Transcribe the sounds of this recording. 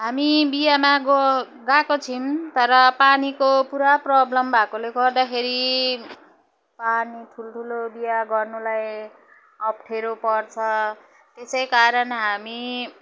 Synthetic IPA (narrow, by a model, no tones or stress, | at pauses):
ɦamibijamaɡ | ɡãkot͡sʰimt̪ʌɾʌpanikopuɾaprʌblʌmbʱakoleɡʌrd̪akʰeɾi | panit̪ʰult̪ʰulobijaɡʌrnulaj | ʌp̚ʈʰeɾopʌrt͡sʰʌ | t̪esʌjkaɾʌnɦami